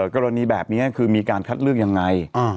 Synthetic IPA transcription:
kɔː˧ɾa˧niː˧bɛː˨˩p̚ni˦˥ɐkʰɯː˧miː˧kaː˧nkʰa˦˥t̪̚lɯ˥˩ək̚ja˧ŋːa˧ja˧˩

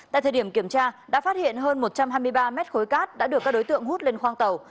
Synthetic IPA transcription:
t̪a̰ː˧˨jt̪ʰəː˨˩ɗi˧˩əmki˧˩əmt͡ɕaː˧ɗa̰˧˥faː˦˥t̚hḭ˧˨ənɦəː˧nmo˨˩t̚t͡ɕa˧mɦaː˧jmɨ˧jɓaː˧mɛ˦˥t̚xo˨˦jkaː˦˥t̚ɗa̰ː˧˥ɗɨ˨˩kːaː˦˥kɗo˨˦jt̪ɨ̰˧˨əŋɦu˦˥t̚le˧nxwaː˧ŋt̪ə˨˩w

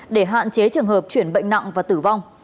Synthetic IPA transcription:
ɗe˧˩ɦa̰ː˧˨nt͡ɕe˨˦t͡ɕɨ˨˩əŋɦəː˨˩p̚t͡ɕwi˧˩ənɓə̰˧˨jŋ̟na̰˧˨ŋvaː˨˩t̪ɨ˧˩va˧wŋ͡m

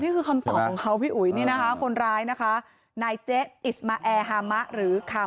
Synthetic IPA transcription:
niː˥˩kʰɯː˧kʰa˧mt̪ɔː˨˩p̚ʰɔː˩˦ŋkʰa˦˥wpʰiː˥˩ʔu˨˩˦jniː˥˩na˦˥kʰa˦˥kʰo˧nɾaː˧jna˦˥kʰa˦˥ | naː˧jt͡ɕe˦˥i˨˩smaː˧ʔɛː˧ɦaː˧ma˦˥ʔɾɯː˩˦kʰa˧

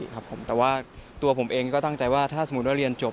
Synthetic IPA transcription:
kʰa˦˥pʰːo˩˦mt̪ɛː˨˩waː˥˩t̪u˧ɐpʰo˩˦mʔeː˧ŋkɔː˥˩t̪a˥˩ŋt͡ɕa˧jwaː˥˩t̪ʰaː˥˩so˩m˦˥t̪̚wa˥˩ɾi˧ənt͡ɕo˨˩

